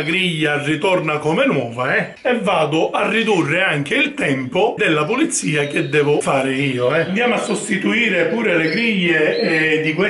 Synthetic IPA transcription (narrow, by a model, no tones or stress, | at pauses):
ɡɾiʎːarːit̪ɔrnakɔmenwɔːvaɛ | ɛvːaːd̪ʊʔarːid̪urːɪaŋk̟eilt̪ɛmpʊd̪elːapʊlit̪sːiːak̟ed̪ːɛːvʊfaːɾɪiːoɛnd̪jaːmoasːost̪it̪uiːɾepuːɾeleɡɾiʎːed̪ikwe